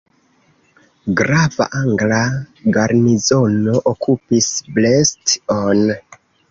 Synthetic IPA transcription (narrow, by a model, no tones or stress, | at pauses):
ɡɾava̰ʔaŋɡlaɡaɾnizo̞no̞ʔokupisbleston